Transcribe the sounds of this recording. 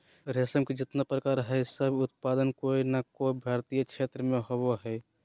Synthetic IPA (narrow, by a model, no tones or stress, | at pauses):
ɾeːsəmked͡ʒɪt̪nəpɾəkaːɾɦɛsəbʱʊt̪̚paːd̪ənkoːinakoibʱaːɾt̪ijəkʃʰeːt̪ɾəmẽɦoboɦɛ